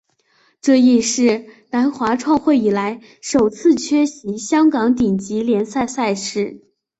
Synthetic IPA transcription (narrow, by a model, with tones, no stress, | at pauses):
ʈ͡ʂɤ˥˧i˥˧ʂɻ̩˥˩na˧˥nxwa˧˥ʈ͡ʂʰwɑ˥˧ŋxwe˥˩ɪi˨˩la˧˥ɪ | ʂo˨˩ʊt͡sʰɹ̩˥˩t͡ɕʰɥɛ˥ɕi˧˥ɕjɑ˥ŋkɑ˧˥ŋt̪i˨˩ŋt͡ɕi˧˥ljɛ˧˥nsa˥˧ɪsa˥˧ɪʂɻ̩˥˩